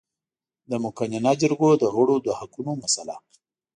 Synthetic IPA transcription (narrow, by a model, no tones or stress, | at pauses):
d̪əmʊkaɲanɑd͡ʒəɾɡod̪əɣəɽod̪əhakunomasala̰